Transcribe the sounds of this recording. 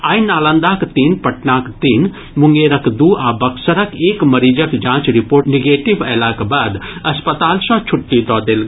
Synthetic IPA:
aːinaːlə̃nd̪aːkt̪iːnpɐʈnaːkt̪iːn | muŋɡeːɾɐkd̪uaːbɐksɐɾɐkeːkmɐɾiːd͡ʒəkd͡ʒãːt͡ʃɾipoːɾniɡeːʈibɛːlakbaːd̪ɐspət̪aːlsɐ̃t͡ʃʰʊʈːid̪ɔːd̪eːlɡ

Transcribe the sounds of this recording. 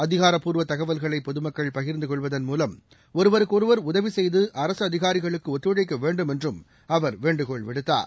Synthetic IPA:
ɐðɪɣaːɾɐpːuːɾʋɐt̪ːɐɣɐʋɐlɣɐɭɐɪpːɔðɯmɐkːɐɭpɐɣɪɾnd̪ɯkɔɭʋɐðɐnmuːlɐm | ɔɾɯʋɐɾɯkːɔɾɯʋɐɾʊðɐʋisɛjðɯʔɐɾɐsɯɐðɪɣaːɾɪɣɐɭɯkːɯɔt̪ːɯɽɐɪk̬ːɐʋeːɳɖɯmɛndrɯm | ɐʋɐɾʋeːɳɖɯkɔɭʋɪɽɯt̪ːa̰ːɾ

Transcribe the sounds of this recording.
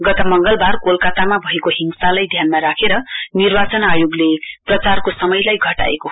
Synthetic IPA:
ɡʌt̪ʌmʌŋɡʌlbʱarkolkat̪amabʱʌekoɦiŋsalajd̪ʱjanmaɾakʰeɾʌnirbat͡sʌnajoɡleprʌt͡sarkosʌmʌjlajɡʱʌʈa̰ḛko

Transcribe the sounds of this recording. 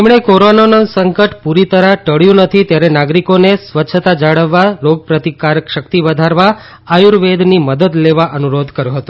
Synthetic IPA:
emɳ̃ekoɾonanə̃səŋkəʈpuɾit̪əɾaʈəɽjũnət̪ʰit̪jaɾenaɡɾikonesʋəːt͡ʃʰət̪ad͡ʒaɽəʋːalok̚pɾət̪ikaɾəkʃəkt̪iʋəd̪ʱaɾʋa | ajuɾʋed̪niməd̪əd̪leʋaʔənuɾod̪ʱkəɾjõɦət̪ũ

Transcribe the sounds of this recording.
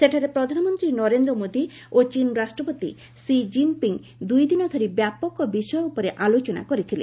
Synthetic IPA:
seʈʰaɾepɾɔd̪ʱanɔmɔnt̪ɾinɔɾend̪ɾɔmod̪i | ot͡ʃinɔɾasʈɾɔpot̪ḭ | sid͡ʒimpiŋ | d̪ujd̪inɔd̪ʱoɾibjapɔkɔbiʃɔjɔupɔɾeʔalot͡ʃɔna̰kɔɾit̪ʰilḛ

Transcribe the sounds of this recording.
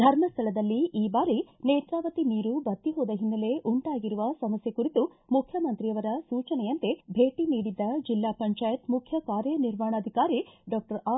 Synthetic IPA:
d̪ʱɐɾmɐst̪ʰɐɭɐd̪ɐlːiʔiːbaːɾineːt̪ɾaːʋɐt̪iniːɾubɐt̪ːiɦoːd̪ɐɦinːɐle̞ʔuɳʈaːɡiɾuʋɐsɐmɐsjɐkuɾit̪u | mukʰjɐmɐnt̪ɾijɐʋɐɾɐsuːt͡ʃɐnɛjɐnt̪ebʱeːʈiniːɽid̪ːɐd͡ʒilːaːpɐɲt͡ʃaːjɐt̪mukʰjɐkaːɾjɐniɾmaːɳɐːd̪ʱikaːɾiɖɔːk̚ʈɐɾa

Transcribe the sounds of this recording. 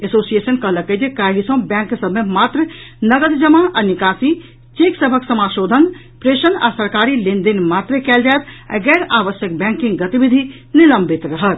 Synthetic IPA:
esosijesənkəɦləked͡ʒekaɦisɐ̃bɛ̃ŋksəbʱmemat̪ɾənəɡəd̪d͡ʒəmaʔanikasi | t͡ʃiksəbʱəksəmaʃod̪ʱən | pɾeʃənd̪a̰səɾkaɾilind̪inmat̪ɾekɛld͡ʒaet̪a̰ɡɛɾaʋəsjək̚bɛ̃ŋkĩŋɡɡət̪ibid̪ʱi | niləmbʱit̪ɾəɦət̪̚

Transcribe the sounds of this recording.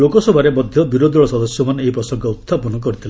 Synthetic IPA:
okɔsɔbʱaɾemɔd̪ʱjɔbiɾod̪ʱɔɭɔsɔd̪ɔsjɔmaneipɾɔsɔŋkɔut̪ʰːapɔnɔk̬ɔɾit̪ʰil

